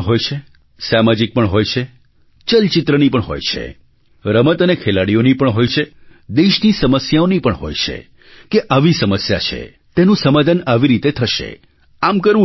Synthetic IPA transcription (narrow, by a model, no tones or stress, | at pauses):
ɦojt͡ʃʰe | samad͡ʒik̚pəɳɦojt͡ʃʰe | t͡ʃəlt͡ʃɪt̪ɾənipəɳɦo̰jt͡ʃʰḛ | ɾəmət̪ənekʰelaɽionipəɳɦojt͡ʃʰed̪eʃnisəməsjaonipəɳɦo̰jt͡ʃʰḛ | keʔaʋisəməsja̰t͡ʃʰḛ | t̪enũsəmad̪ʱənaʋiɾit̪et̪ʰəʃḛ | amkəɾũ